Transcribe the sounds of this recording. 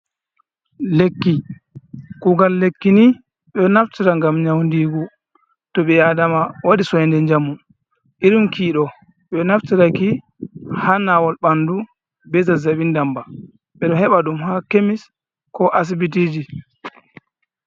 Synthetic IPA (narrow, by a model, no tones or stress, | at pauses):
lekːi | kuɡalːekːini | ɓɛnaftiɾaŋɡamɲawndiɡɔ | tɔɓɛjadamawaɗisɔjndɛɲd͡ʒamːu | ʔiɾimkiːɗɔ | ɓɛnaftiɾaki | hanawɔlɓandu | bɛt̬azaɓindamba | ɓɛɗɔhɛɓaɗumhakemis | kɔʔas̬ibitiːd͡ʒi